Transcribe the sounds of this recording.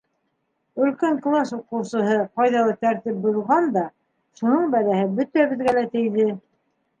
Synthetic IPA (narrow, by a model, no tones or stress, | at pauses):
ɵ̆lkæŋklˠɑsuqɤ̆wsɤ̆ɦɤqɑjðɑlˠɤt̪æɾt̪ip̚bŏðʁɑnd̪ɑ | ʃunɤɴbælæhɘbɵt̪æβɘ̆ðɡælæt̪ɘ̆jðɘ